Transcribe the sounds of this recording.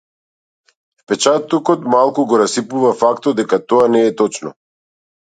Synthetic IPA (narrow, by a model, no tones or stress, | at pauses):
fpɛt͡ʃat̪ɔkɔt̪malˠkuɡɔɾasipuvafakt̪ɔd̪ɛkat̪ɔanɛːt̪ɔt͡ʃnɔ